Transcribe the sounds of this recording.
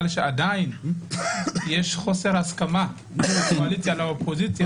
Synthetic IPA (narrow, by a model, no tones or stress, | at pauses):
lʃead̪ain | jeʃχo̞seʁhaskama | talit͡sjalaopʰozit͡sja